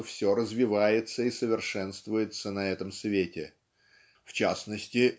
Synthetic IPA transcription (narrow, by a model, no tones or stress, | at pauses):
əfsʲoɾəzvʲɪvajɪt̪səisəvʲɪrʂɛnst̪vʊjɪt̪sənɐɛt̪əmsvʲetʲɪ | ft͡ɕasnəsʲtʲɪ